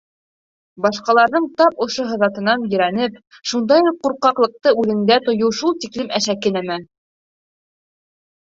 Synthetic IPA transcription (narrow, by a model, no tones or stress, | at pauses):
bɑʃqɑlˠɑɾðɤɴt̪ɑpŏʃoɦɤ̆ðɑt̪ɤ̆nɑnjɵ̆ɾænɘp̚ | ʃund̪ɑjuq̚qːuɾqɑqlˠɤ̆q̚t̪ɤʉðɘ̆nd̪æt̪ŏjɤwʃulˠt̪iklɘmæʃækɘnæmæ